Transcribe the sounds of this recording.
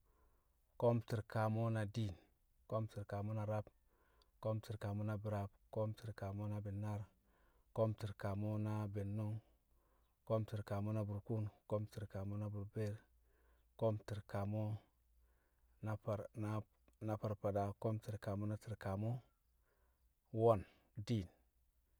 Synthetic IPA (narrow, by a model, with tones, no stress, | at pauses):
ko˦mti˨ɾka˨mo˦na˨di˦˨n | ko˦mti˨ɾka˨mo˦na˨ɾa˦b̚ | ko˦mti˨ɾka˨mo˦na˦bi˨ɾa˨bko˦mti˨ɾka˨mo˦na˦be˨nːa˦ɾ | ko˦mti˨ɾka˨mo˦na˦be˨nːo˦ŋ | ko˦mti˨ɾka˨mo˦na˦bu˨ɾku˦nko˦mti˨ɾka˨mo˦na˦bu˨ɾbe˦ɾ | ko˦mti˨ɾka˨mo˦ | na˦pa˨ɾna˦ | na˦pa˨ɾpa˨da˨ko˦mti˨ɾka˨mo˦na˦ti˨ɾka˨mo˦ | wo˦˨n | di˦˨n